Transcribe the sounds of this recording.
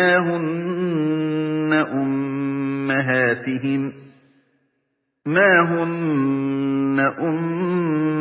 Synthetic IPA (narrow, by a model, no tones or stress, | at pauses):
aːɦʊn | aʔʊmː | aɦaːt̪ɪɦɪm | maːɦʊn | aʔʊmː